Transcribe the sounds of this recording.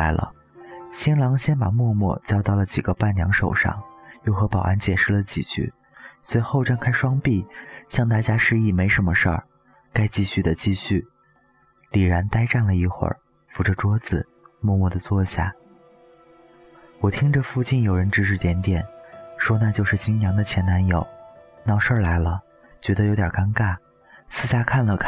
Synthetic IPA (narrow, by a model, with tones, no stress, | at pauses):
ɪlə̰˧˩ | ɕi˥nlɑ˧˥ŋɕjɛ˥npa̰˨˩mwɔ˥˧mwɔ̰˥˩t͡ɕjɑ˥ʊt̪ɑ˥˩ʊlə˩t͡ɕi˨˩ɡə˧˦pa˥˩nnjɑ˧˥ŋʂo˨˩ʊʂɑ̰˥˩ŋjo˥˩ʊxɤ˧˥pɑ˨˩ʊa̰˧˥nt͡ɕjɛ˨˩ʂɻ̩˥˩lə˩t͡ɕḭ˨˩t͡ɕʰy̰˥˩ | swe˧˥ɪxo˥˧ʊʈ͡ʂa˥˧nkʰa˥ɪʂwɑ˥ŋpi˥˩ɕjɑ˥˧ŋt̪a˥˩t͡ɕja˥ʂɻ̩˥˧i˥˩me˧˥ɪʂə˧˥nmə˧ʂə̰˞˥˩ | ka˥ɪt͡ɕi˥˧ɕy˥˩d̪ə˩t͡ɕi˥˧ɕy˥˩ | li˨˩ɻa˧˥nt̪a˥ɪʈ͡ʂa˥˩nlə˩i˥˩xwə̰˞˨˩ | fu˧˥ʈ͡ʂə˥˧ʈ͡ʂwɔ˥d͡zɹ̩˨˩ | mwɔ˥˧mɔ˥˩d̪ə˩t͡swɔ˥˧ɕja̰˥˩ | wɔ˨˩t̪ʰi˥ŋʈ͡ʂə˧fu˥˧t͡ɕi˥˩njo˨˩ʊɻə˧˥nʈ͡ʂɻ̩˧˥ʂɻ̩˥˩t̪jɛ˧˥nt̪jɛ˨˩˦nʂwɔ˥na˥˧t͡ɕjo˥˧ʊʂɻ̩˥˩ɕi˥ŋjɑ˧˥ŋd̪ə˧t͡ɕʰjɛ˧˥nna˧˥njo˨˩ʊnɑ˥˩ʊʂə˞˥˩la˧˥ɪlə˧ | t͡ɕɥɛ˧˥d̪ə˧˨jo˧˥ʊt̪jɑ˨˩ka˥nka˥˩ɪ | sɹ̩˥˧ɕja˥˧kʰa˥˩nlə˩kʰ